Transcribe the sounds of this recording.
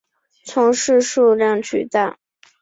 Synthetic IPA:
t͡sʰʊ˧˥ŋʂɻ̩˥˧ʂu˥˧ljɑ˥˩ŋt͡ɕʰy̰˨˩t̪a˥˩n

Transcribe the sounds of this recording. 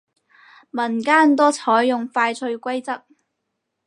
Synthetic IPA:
mɐ˨˩nkaː˥nt̪ɔː˥t͡sʰɔː˨˥jːʊ˨ŋfaː˧jt͡ʃʰɵ˧ɥkʷɐ˥jt͡sɐ˥k̚

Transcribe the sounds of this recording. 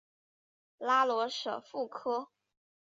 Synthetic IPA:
la˥lwɔ˧˥ʂɤ̰˨˩fu˥˩kʰɤ˥

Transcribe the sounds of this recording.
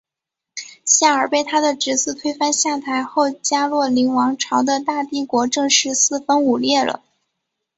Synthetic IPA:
ɕja˥˩ə˞˨˩pe˥˩ɪt̪ʰa˥d̪ə˨ʈ͡ʂɻ̩˧˥t͡sʰɹ̩˥˩t̪ʰwe˥ɪfa˥nɕja˥˩t̪ʰa˧˥ɪxo˥˩ʊt͡ɕja˥lwɔ˥˩li˧˥ŋwɑ˧˥ŋʈ͡ʂʰɑ˧˥ʊd̪ə˧t̪a˥˧t̪i˥˩kwɔ˧˥ʈ͡ʂɤ˥˧ŋʂɻ̩˥˩sɹ̩˥˩fə˥nu˨˩ljɛ˥˩lə̰˩

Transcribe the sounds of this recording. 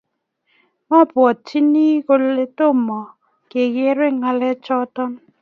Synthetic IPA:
mɔ˦˨pwɔ˨t͡ʃi˦ni˦ko˦le˦to˦mɔ˨ | ke˨ɣe˦ɾe˦ŋa˦lɛ˦t͡ʃɔ˦tɔ˦n

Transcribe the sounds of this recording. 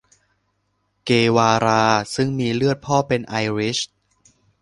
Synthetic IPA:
keː˧waː˧ɾaː˧sɯ˥˩ŋmiː˧lɯ˥˩ət̪̚pʰɔː˥˩pe˧nʔa˧jɾi˦˥ɕ

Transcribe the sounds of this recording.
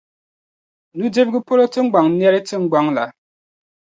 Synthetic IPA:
nu˦de˦b̚ɡɨ˦po˦lo˦tɨ˦ŋ̩˦ɡ͡ba˨ŋ̩˦n˦ɛ˦ɾi˦tɨ˦ŋ̩˦ɡ͡ba˦ŋla̰˨

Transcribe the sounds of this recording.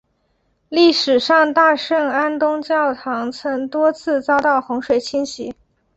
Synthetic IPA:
li˥˩ʂɻ̩˨˩ʂɑ˥˧ŋt̪a˥˧ʂɤ˥˩ŋa˥nt̪ʊ˥ŋt͡ɕjɑ˥˩ʊt̪ʰɑ˧˥ŋt͡sʰɤ˧˥ŋt̪wɔ˥t͡sʰɹ̩˥˧t͡sɑ˥ʊt̪ɑ˥˩ʊxʊ˧˥ŋʂwe˨˩ɪt͡ɕʰi˥nɕi˧˥

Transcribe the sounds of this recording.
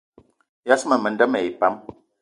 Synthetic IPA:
ja˦smə˨mə˨ndə˦mə˨e˨pa˦m

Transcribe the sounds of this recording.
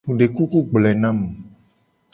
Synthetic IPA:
ũ˨ɖe˨ku˦ku˦ɡ͡blɛ˨nã˦m˨

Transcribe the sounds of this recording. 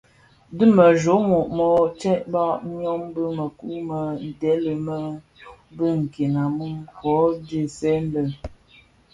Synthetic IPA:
də˦mə˨ʒo˨˦mu˨ʔmɔ˦t͡ʃɛ˦ʔba˦ɲɔ˦mbə˦mə˨ku˦mə˨n̩˨dɛ˦lə˨mə˦ | bə˦ŋ̩˨ke˨na˨mə˦m˦kɔ˨˦di˦sɛ˦n˦bə˨

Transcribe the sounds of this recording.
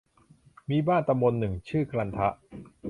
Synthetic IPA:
miː˧baː˥˩nt̪a˧mbo˧nːɯ˨˩ŋt͡ɕʰɯː˥˩kɾa˧nt̪ʰa˦˥ʔ

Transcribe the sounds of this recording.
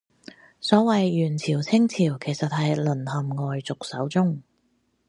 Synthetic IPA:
sɔː˨˥wɐ˨jːyː˨˩nt͡sʰiː˨˩wt͡sʰɪ˥ŋt͡sʰiː˨˩wkʰe˨˩jsɐ˨t̚hɐ˨jlɵ˨˩nhɐ˨mŋɔː˨jt͡sʊ˨k̚sɐ˨˥wt͡sʊ˥ŋ

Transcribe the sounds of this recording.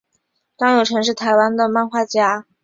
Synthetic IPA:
ʈ͡ʂɑ˥ŋjo˨˩ʊʈ͡ʂʰɤ˧˥ŋʂɻ̩˥˩t̪ʰa˧˥ɪwa˥nd̪ə˨ma˥˧nxwa˥˩t͡ɕja˥

